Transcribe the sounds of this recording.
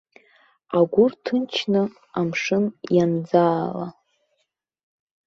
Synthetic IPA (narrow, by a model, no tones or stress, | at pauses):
aɡʷʊrtʰɨnt͡ʃʰnɨ | amʂɨnjand͡zaːla